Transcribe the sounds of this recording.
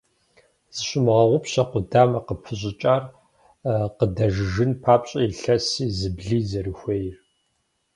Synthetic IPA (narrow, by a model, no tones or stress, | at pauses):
z̥ɨɕʊmʁɐʁʷʊpɕɐqʷʊdaːmɐqəpʰɨɕʼɪt͡ʃʼaːr | qədɐʒʒɨnpʰaːpɕʼɐiɬɐsiːzɨbɮiːzɐɾɨxʷeːjr